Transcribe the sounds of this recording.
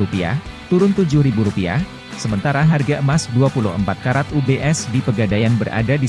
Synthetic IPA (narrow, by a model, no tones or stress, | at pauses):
upia̰ | t̪uɾʊnt̪ud͡ʒʊhɾibuɾupia̰ | səmənt̪aɾaɦarɡamasduapulʊhəmpat̪̚kaɾat̪ubeʔɛsdipəɡadajanbəɾʔa̰dadi